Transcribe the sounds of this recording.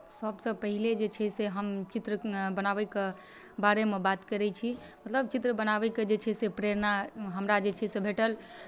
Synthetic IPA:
səbsə̃pəɦiled͡ʒet͡ʃʰɛseɦəmt͡ʃit̪ɾəbənaβɛke | baɾemebat̪kəɾɛt͡ʃʰi | mət̪ləb̚t͡ʃit̪ɾəbənabɛked͡ʒet͡ʃʰɛsepɾeɾnaɦəmɾad͡ʒet͡ʃʰɛsebʱeʈəl

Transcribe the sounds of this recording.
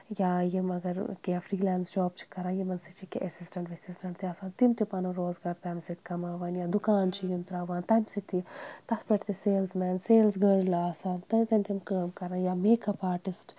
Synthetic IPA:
jaːjimɐɡɐɾkefɾiːlaːnsd͡ʒɔːb̚t͡ʃʰi̥kɐɾaːjimɐnsit͡ʃʰikeʔɐsisʈɐɳʈʋesisʈɐɳʈt̪iɐsaːnt̪imt̪ipɐnuɾoːzɡaːɾt̪ɐːmsit̪ʰkɐmaːʋaːnjaːd̪ukaːnt͡ʃʰijimt̪ɾaːʋaːnt̪ɐːmsit̪it̪ɐt̪ʰpɐʈt̪iseːlsmɛːnseːlsɡəːɾlasaːnt̪ɐt̪ɐnt̪ʰimkəːmkɐɾaːjaːmeːkɐpaːʈisʈ

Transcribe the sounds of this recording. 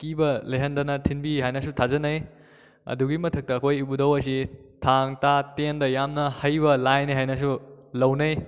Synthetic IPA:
kibɐleɦɐndɐnɐtʰinbiɦajnɐsutʰazɐnɐj | ɐ̰duɡimɐtʰɐk̚tɐːkʰojibudɐwɐs̬itʰaŋtatendɐjamnɐhɐjβɐlajniɦajnɐs̬ulɐwnɐj

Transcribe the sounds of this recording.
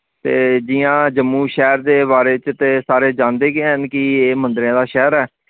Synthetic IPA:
t̪eːd͡ʒɪjãːd͡ʒəmːũːʃɛːɾd̪eːβaːɾeːt͡ʃt̪eːsaːɾeːd͡ʒãːnd̪eːɡeːɦənkɪeːmə̃nd̪ɾeãːd̪aːʃɛːɾɛː

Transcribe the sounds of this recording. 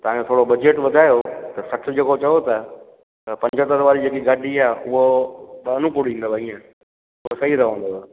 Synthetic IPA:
t̪ɐʋãɲõt̪ʰoːɽobɐd͡ʑeːʈʋɐd̪ʱaːjot̪ɐsɐʈʰɪ̆d͡ʑeːkot͡ɕɐjot̪ɐ | t̪ɐpɐ̃ɲd͡ʑʱət̪əɾʋaːɾid͡ʑeːk̬iɡaːɖʱiaːʔʊɦoɓɐnʊkʊɽĩːnd̪obaĩːẽ | ʊɦosɐɦiɾɐɦə̃nd̪oa

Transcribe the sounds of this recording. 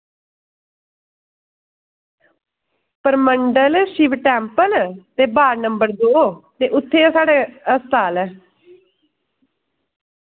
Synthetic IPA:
pəɾməɳɖəlʃiʋʈɛːmpəlt̪eːbaːɾnəmbəɾd̪oːt̪eːʔʊt̪ʰːeːsaːɖeːəst̪aːlɛː

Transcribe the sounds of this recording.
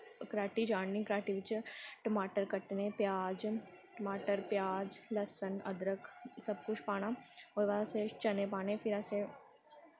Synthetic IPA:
kɾaːʈid͡ʒaːɳnĩkɾaːʈiʋɪt͡ʃʈɐmaːʈəɾkəʈnẽpjaːd͡ʒ | ʈɐmaːʈəɾpjaːd͡ʒlɐsənɐ̰d̪ɾəkʰsɐb̚kʊt͡ʃʰpaːñaoːʋaset͡ʃɐnẽpaːnẽfʰɪɾase

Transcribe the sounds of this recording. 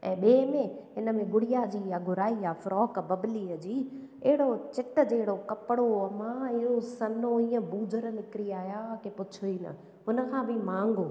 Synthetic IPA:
ɛ̰̃ːɓeːmẽɦɪnəmẽɡʊɽijad͡ʑiːjaɡʱʊɾaːiaːfɾɔːkbɐbliːəd͡ʑiː | ɛɦɪɽot͡ɕɪʈə̆d͡ʑeːɦɪɽokɐpɪɽoɐmãɪɦosɐnoiːə̃buːd͡ʑʱəɾnɪkɪɾiaːɦjaakepʊt͡ɕʰuiːnə̰ | ɦʊnə̆kʰãːbʱɪmãːŋɡoː

